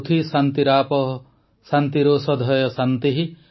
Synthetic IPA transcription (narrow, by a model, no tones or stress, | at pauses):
t̪ʰisant̪iɾapɔ | sant̪iɾoːsɔd̪ʱɔjɔsant̪iɦi